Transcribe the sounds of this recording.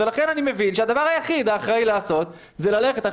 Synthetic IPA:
elaχe̞nanime̞vinʃead̪avaʁajaχid̪aːχʁajlaːso̞t̪ | zelale̞χet̪a

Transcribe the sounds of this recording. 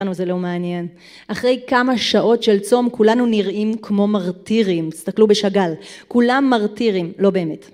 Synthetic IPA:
nuzelo̞meanje̞n | ʔaχʁe̞jkamaʃaʔo̞tʃe̞lt͡so̞mkulanuniʁʔimkmo̞maʁtiʁimistaklube̞ʃaɡalkulamːaʁtiʁimlo̞be̞ːme̞t

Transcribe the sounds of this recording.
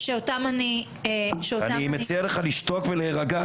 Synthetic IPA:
ʃeotamani | eʃeoatanimet͡sieleχaliʃto̞kveleːʁaɡa

